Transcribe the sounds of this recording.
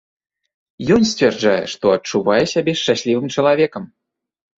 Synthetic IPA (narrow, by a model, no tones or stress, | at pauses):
jɔnsʲt͡sʲvʲard͡ʐajɛ̰ʂt̪ɔɐt͡ʂuvajɛsʲabʲɛʃt͡ʃːasʲlʲivɨmt͡ʂɐlˠavʲɛkɐm